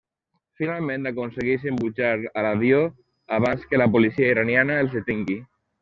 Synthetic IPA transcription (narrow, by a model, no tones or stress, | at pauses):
finalˠmẽnt̪akunseɣis̬imbut͡ʃaɾalaβjo | aβanskəlapulisiaiɾanjanaelˠzðet̪iŋɡi